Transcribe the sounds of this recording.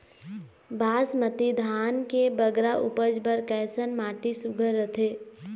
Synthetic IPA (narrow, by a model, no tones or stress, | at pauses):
baːsmət̪id̪ʱaːnkebəɡɾaʔʊpəd͡ʒbəɾkɛːsənmaːʈisʊɡʱəɾːət̪ʰeː